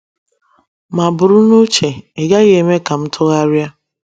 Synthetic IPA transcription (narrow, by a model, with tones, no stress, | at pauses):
ma˨bʊ˨ɾʊ˦nu˦t͡ʃe˨e˨ɡa˦ɣe˨me˦ka˨m̩˦tʰʊ˦ɣa˦ɾja˦